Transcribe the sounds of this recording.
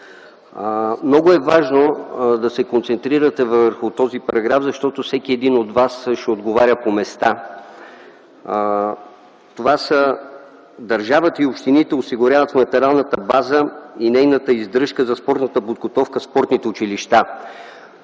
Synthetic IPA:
mnɔɡʊɛvaʒnod̪ɐsɛkont̪sɛnt̪ɾiɾət̪ɛvəɾxʊt̪ɔzipɐɾɐɡɾafzɐʃt̪ɔt̪ofsɛkiɛd̪inod̪vasʃɛod̪ɡovaɾʲəpomɛst̪a | t̪ovasə | d̪ɐɾʒavət̪əiopʃt̪init̪ɛosiɡʊɾʲavət̪fnɐt̪ɛɾalˠnət̪əbazəinɛjnət̪əizd̪ɾɤʃkəzɐspɔɾt̪nət̪əpod̪ɡot̪ɔfkəspɔɾt̪nit̪ɛʊt͡ʃiliʃt̪a

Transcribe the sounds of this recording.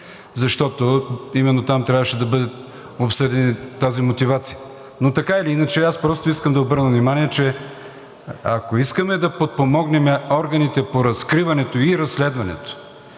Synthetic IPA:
zɐʃt̪ɔt̪oimɛnːot̪amt̪ɾʲavəʃɛd̪ɐbɤd̪ət̪ | opsɤd̪ɛniːazimot̪ivat̪sijə | not̪ɐkaɛliinɐt͡ʃɛaspɾɔst̪oiskəmd̪ɐobɤɾnəvnimaniɛt͡ʃɛ | ɐkoiskɐmɛd̪ɐpot̪̚pomɔɡnɛmɛɔɾɡɐnit̪ɛpoɾɐskɾivɐnɛt̪oiɾɐsːlɛd̪vɐnɛ̰t̪o̥

